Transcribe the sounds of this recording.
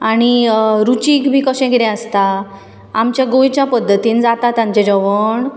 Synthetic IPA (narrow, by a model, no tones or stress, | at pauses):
aɽ̃iɾut͡ɕikbʱiːkəɕɛ̃ɡiɽɛ̃əst̪a | amt͡ɕjaɡojt͡ɕjapəd̪ʱːət̪iːnd͡zat̪at̪ãɲt͡ɕɛd͡ʑəʋəɳ